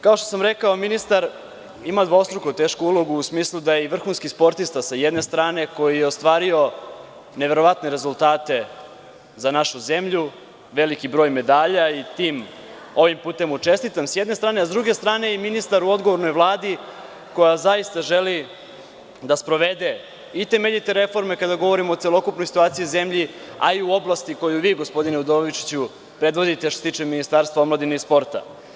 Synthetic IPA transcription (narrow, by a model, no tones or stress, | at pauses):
kao̞ʃt̪osamɾe̞kaominist̪aɾ | imad̪ʋost̪ɾukot̪e̞ːʃkuulˠo̞ɡuːsmiːslˠud̪ajeiʋr̩xunskispo̞ɾt̪ist̪asajed̪ne̞st̪ɾaːne̞ko̞jijeost̪ʋaːɾio̞ | ne̞ʋe̞ɾo̞ʋat̪ne̞ɾe̞zulˠt̪aːt̪e̞ | zanaʃuze̞mʎu | ʋe̞likibɾo̞ːjme̞d̪aːʎait̪iːm | o̞ʋimpuːt̪e̞mut͡ʃe̞st̪it̪amsjɛd̪net̪ɾaːne̞azd̪ɾuɡe̞st̪ɾaːne̞iminist̪aɾuo̞d̪ɡoʋo̞ɾno̞jʋlˠaːd̪i | ko̞jazajist̪aʒe̞li | d̪aspɾo̞ʋe̞d̪e | it̪e̞meʎit̪eɾe̞fo̞ɾme̞kad̪aɡo̞ʋo̞ɾimoːt̪selˠo̞kupnojsi̥t̪uaːt̪sijize̞mʎia̰iuo̞blˠast̪iko̞juʋiːɡo̞spo̞d̪ineud̪oʋit͡ʃi̥t͡ɕu | pɾe̞d̪ʋo̞d̪it̪eʃt̪oset̪iːt͡ʃeminist̪aːɾst̪vaomlˠad̪ineispo̞ɾt̪a̰